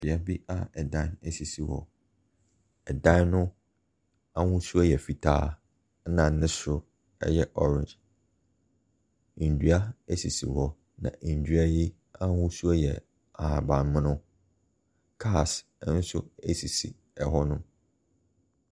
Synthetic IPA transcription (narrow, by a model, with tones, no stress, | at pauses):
bɪ˨a˦bi˦a˨ɛ˨dã˦nɛ˦si˨si˨wɔ̰˨ | ɛ˨dã˦nnʊ̃˦ | a˦hʊ̃˦su˦a˦jɛ˨fi˨tʰa̰ː˦ | nã˨nɪ̃˦sɾʊ˦ | ɛ̰˦jɛ˦ʔɔ˦ɾɪ̃˨d͡ʒ | du˦a˦e˦si˨sḭ˨wɔ˨ | nã̰˨ʔ̩˨dɥa˦ji˦ | ã˦hʊ̃˦su˦a˦jɛ̰˨ | a˨a˨bã˨nmɪ̃˦nʊ̃˦ | kʰa˦˨s | n̩˦sʊ̰˦e˦si˨sḭ˨ | ɛ˨ɦɔ˦nʊ̃˦